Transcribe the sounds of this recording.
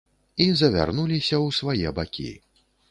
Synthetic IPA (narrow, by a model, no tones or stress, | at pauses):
izɐvʲa̰rnulʲisʲɐwsvajɛbakʲḭ